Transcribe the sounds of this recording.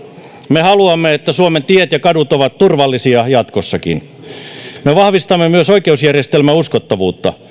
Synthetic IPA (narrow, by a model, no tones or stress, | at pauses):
mehɑluɑmːeet̪ːæsuoment̪iet̪jɑkɑdut̪oʋɑt̪t̪urʋɑlːisiɑjɑt̪kosːɑkḭn | meʋɑhʋist̪ɑmːemyøsoikeusjærjest̪elmæuskot̪ːɑʋuːt̪ːɑ